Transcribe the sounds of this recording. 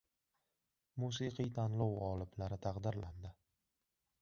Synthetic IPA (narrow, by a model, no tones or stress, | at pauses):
musiqʰijt̪ʰanlɒwʁɒlˠɪblaɾɪt̪ʰaqd̪ɪɾland̪ɪ